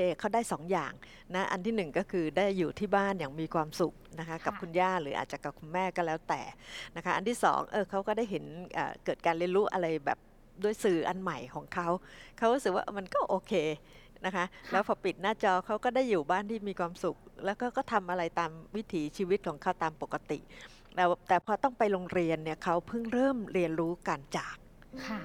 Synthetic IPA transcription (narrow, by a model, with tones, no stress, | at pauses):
kʰeː˧kʰa˦˥˩wdaː˥˩jsɔː˩˦ŋjaː˨˩ŋ | na˦˥ʔa̰˧nt̪ʰiː˥˩nɯ˨˩ŋkɔː˥˩kʰɯː˧daː˥˩jːuː˨˩t̪ʰiː˥˩baː˥˩njaː˨˩ŋmiː˧kʰwaː˧msu˨˩k̚na˦˥kʰa˦˥ka˨˩p̚kʰu˧njaː˥˩ɾɯː˩˦ʔa̰˨˩t̪̚t͡ɕa˨˩ka˨˩p̚kʰu˧nmɛː˥˩kɔː˥˩lɛː˦˥wt̪ɛː˨˩na˦˥kʰa˦˥ʔa˧nt̪ʰiː˥˩sɔ̰ː˩˦ŋʔɤː˧kʰa˦˥wkɔː˥˩da˥˩jɦe˩˦nʔə̰ː˨˩kɤː˨˩t̪̚kaː˧nli˧nɾuː˦˥ʔa˧ɾa˧jbɛ̰ː˨˩p̚ | du˥˩əjsɯː˧ʔa˧nma˨˩jkʰɔː˩˦ŋkʰa˦˥wkʰa˦˥wɾu˦˥sɯ˨˩k̚wa̰ː˥ʔma˧nkɔː˥˩ʔoː˧kʰeː˧ | na˦˥kʰa˦˥ʔlɛː˦˥wpʰɔː˧pi˨˩t̪̚naː˥˩t͡ɕɔː˧kʰa˦˥wkɔː˥˩daː˥˩jːuː˨˩baː˥˩nt̪ʰiː˥˩miː˧kʰwaː˧msu˨˩k̚lɛː˦˥wkʰa˥wkɔː˥˩t̪ʰa˧mʔa˧ɾa˧jt̪aː˧mwi˦˥t̪ʰiː˩˦t͡ɕʰiː˧wi˦˥t̪̚kʰɔː˩˦ŋkʰa˦˥˩wt̪aː˧mpo˨˩kːa˧t̪ḭ˨˩ʔ | lɛː˦˥wt̪ɛː˨˩pʰɔː˧t̪ɔ˥˩ŋpa˧jɾoː˧ŋɾi˧ənːi˥˩ɐkʰa˦˥wpʰɯ˥˩ŋɾɤː˥˩mɾi˧ənɾuː˦˥ka˧nt͡ɕaː˨˩k̚ | kʰa˥˩